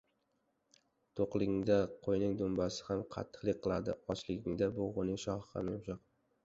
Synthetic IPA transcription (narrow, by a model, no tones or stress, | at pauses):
t̪ʰoqlˠɪɡʲɪŋd̪aqʰojnɪŋd̪ʊmbasɪ̥hamqʰɑ̰t̪ʰːɨ̥qlˠɪk̚ʲqːɨlˠad̪ɪ̰ɒt͡ʃlɪɡʲɪŋd̪abʊʁʊnɪŋʃɒhɑ̰nɪmʃɑq